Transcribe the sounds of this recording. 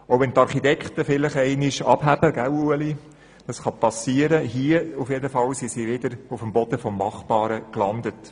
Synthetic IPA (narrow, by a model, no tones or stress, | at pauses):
oʊʋɛnt̪ɑɾχitɛkχtəfɪlɪχɛɪnɪʃɑ̰b̥ɦæb̥əɡ̥æwuəli | d̥ɑsχɑpɑsiːəɾəɦiəufjedəfɑlsisiʋɪdəɾufəmbɔd̥əfɔmːɑχbɑːɾəklɑnd̪ət